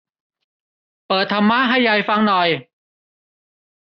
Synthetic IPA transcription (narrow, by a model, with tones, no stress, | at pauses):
pɤː˨˩t̪ʰːa˧mːaː˥˨ɦa˥˩jːa˧˩jfa˧ŋnɔ˨˩j